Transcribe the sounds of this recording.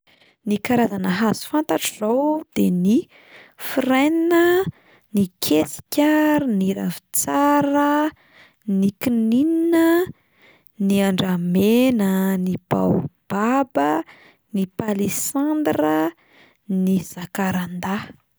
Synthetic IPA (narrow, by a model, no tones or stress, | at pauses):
nikaɾazanəɦazu̥fant̪aʈ͡ʂzawd̪̥eni | firajninə | nikʰesi̥kʲəniɾa̰vi̥t͡saɾə | nikinininə | niaɳɖ͡ʐamenənib̥a̰wb̥abə | nipalisand̪rə | niz̥akaɾand̪a